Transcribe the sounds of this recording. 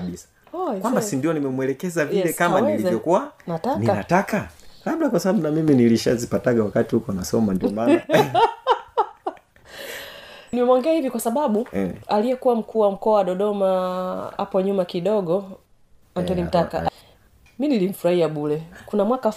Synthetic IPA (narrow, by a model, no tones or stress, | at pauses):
isḁ | ɔkwambasindiɔnimɛmwɛlɛkɛzavilɛkamanilivjɔkuwanatanikanatakalaɓɗakwasaaɓunamiminiliʃazipataɡawakatihukɔanasɔmandiɔmaa | nimɛmɔŋɡɛahivikwasaɓaɓualijɛkuwam̩kʰuwam̩kɔawaɗɔɗɔmaa̰pɔɲumakiɗɔɡɔ | antɔnim̩takaʔ | minilim̩fuɾahiaɓulɛkunamwaka